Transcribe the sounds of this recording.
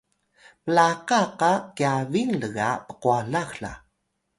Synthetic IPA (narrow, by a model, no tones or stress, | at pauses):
məlaqaqakiavinləɣapə̥quaɮaxɬa̰